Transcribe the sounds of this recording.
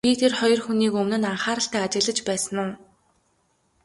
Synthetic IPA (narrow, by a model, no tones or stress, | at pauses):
pit̪ʰerχɔjɞ̆rxuniːkɵmnɘ̆naɴχaːɾə̆ɬt̪æːt͡ɕɪ̆ɣɮə̆t͡ɕpæːsə̆nʊː